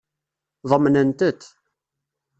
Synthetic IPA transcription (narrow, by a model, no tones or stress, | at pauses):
ðˤəmːnənt̪ət̪